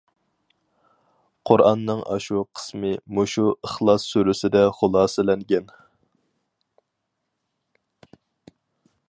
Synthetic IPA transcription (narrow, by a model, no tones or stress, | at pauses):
qʰʊɾʔɑnːɨŋʔɑ̰ʃuqʰə̥smɨmoʃuəχlˠɑsːøɾysɪd̪ɛχʊlˠɑːsɪlɛŋɡʲɛn